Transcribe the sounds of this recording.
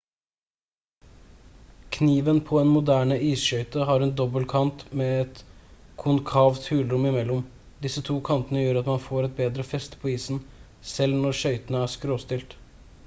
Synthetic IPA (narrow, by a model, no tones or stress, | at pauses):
kʰniːʋənpʰɔɛːnmʊd̪æːɳəʔiːsʃœʏt̪əɦɑːɾɛːnd̪ɔbəlkʰɑnt̪meːɛt̪kʰʊnkʰɑːʋt̪hʉːlɾʊmɪmɛlːʊm | d̪ɪsət̪ʰuːkʰɑnt̪ənəjøːɾɑt̪mɑnfoːɾɛt̪̚beːd̪ɾəfɛst̪pʰɔːiːsn̩ | sɛlnɔɾʃœʏt̪ənəæːʂkɾoːst̪ɪlt̪